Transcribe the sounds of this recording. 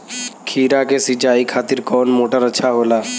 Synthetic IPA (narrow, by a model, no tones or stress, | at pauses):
kʰiːɾakesit͡ʃaːikʰaːt̪iɾkɔːnmoːʈəɾətːʃʰaɦoːlaː